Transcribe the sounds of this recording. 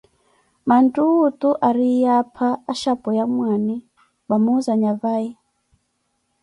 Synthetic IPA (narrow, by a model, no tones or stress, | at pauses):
mantʼuːtʼuʔaɾijapʰaːʃapʼɔjamwani | bamuzaɲavaji